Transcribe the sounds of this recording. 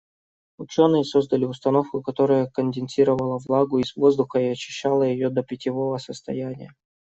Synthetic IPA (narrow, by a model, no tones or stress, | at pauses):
ʊt͡ɕo̞nɨjəso̞zd̪əlʲɪʊst̪ɐno̞fkʊkɐt̪o̞ɾəjəkənʲd̪ʲɪnsʲiɾəvəlˠəvlˠaɡʊɪzvo̞zd̪ʊxəiɐt͡ɕːɪɕːalˠəjɪjo̞d̪əpʲɪtʲɪvo̞vəsəst̪ɐjænʲɪ̰jə